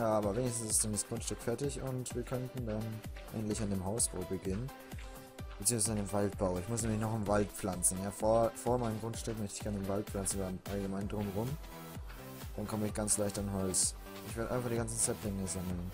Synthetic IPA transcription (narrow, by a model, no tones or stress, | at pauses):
jaːaːbɐveːnɪçstn̩sɪ̥standasɡ̥ʁʊntʃtʏkfɛɐtɪçʊntv̥iːɐkʰœntn̩danʔɛ̰ɡn̩tlɪçandeːmɦaʊsb̥a̰ʊlbəɡɪnən | b̥ət͡siːəŋsv̥aɪzəɪmvalt̚b̥aʊɪçmʊsnɛːmlɪçnɔχɪmvalt̚pp͡flant͡sn̩jaːfoɐfoːɐmaɪnəmɡʁʊntʃtʏkmœçtɪçɡ̥ɛɐnɪmvalt̚flant͡sn̩vaʔalɡəmaɪndʁʊmʁʊm | d̥ankʰɔməɪçɡ̥ant͡slaɪçtanɦɔlt͡s | ʔɪçv̥eɐɾʔaɪnfaχd̥iɡant͡sn̩sɛtlɪŋəzaməl̩n